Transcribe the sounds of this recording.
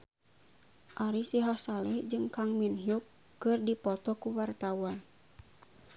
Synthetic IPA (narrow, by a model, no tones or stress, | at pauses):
ʔaɾisiɦasalɛhd͡ʒɨŋkaŋminɦijukː | ɨrdipɔt̪ɔkuwart̪awan